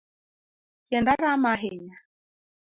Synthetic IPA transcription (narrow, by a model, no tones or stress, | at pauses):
kɛndaɾamaɦeɲa